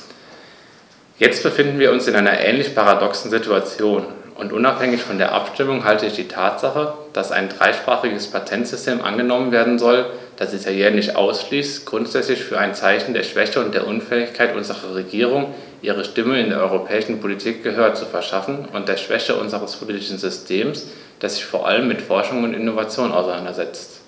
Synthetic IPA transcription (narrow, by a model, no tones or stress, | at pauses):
jɛt͡st̚b̥əfɪndn̩viːɐʊnsɪnʔaɪnɐʔɛ̰ːnlɪçpʰaʁadɔksn̩zɪtuat͡sjoːnʔʊntʔʊnaphɛŋɪçfɔndeːɐʔa̰pʃtɪmʊŋɦaltəɪçd̥iːtʰaːtz̥aχə | d̥asa̰ɪndʁa̰ɪʃpʁ̥a̰ːχɪɡəspʰatʰɛntz̥ʏstʰeːmʔa̰nɡənɔmənveːɐdn̩zɔld̥asd̥isajɛːnɪçtʔa̰ʊsʃliːstɡ̥ʁʊntz̥ɛt͡slɪçfyːɐaɪnt͡saɪçn̩deːɐʃv̥ɛçəʊntd̥eːɐʔʊnfɛːɪçkʰaɪtʔʊnzəʁɐʁeɡiːʁ̞ʊŋ | ʔiːʁ̞əʃtɪməɪndeːɐʔɔʏʁopʰɛːɪʃn̩pʰolitʰiːk̚ɡ̥əɦøːɐt͡sufɛɐʃafn̩ʊnt̚d̥eːɐʃv̥ɛ̰çəʔʊ̰nzəʁəspʰoliːtɪʃn̩zʏstʰeːms | d̥eːɐz̥ɪçfoːɐʔa̰ləmːɪtfɔɐʃʊŋʊntɪnovat͡sjoːna̰ʊsaɪnandɐzɛt͡st